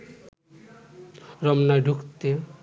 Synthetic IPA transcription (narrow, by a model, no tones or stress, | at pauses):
ɾɔmnajɖʱukt̪e